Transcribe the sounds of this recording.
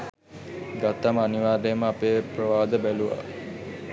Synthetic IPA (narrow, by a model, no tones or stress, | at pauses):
ɡat̪ːaməaniʋaːɾejəməapeːprəʋaːd̪əbæluʋa̰